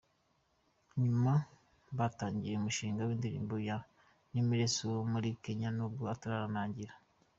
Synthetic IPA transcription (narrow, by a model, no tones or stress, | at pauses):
ɲuma | βataːɲɟiɾeumuʃiːŋɡawiːndiɾḭːmboja | nimiɾe̞somuɾikeɲanobuataɾaɾanaːɲɟiɾa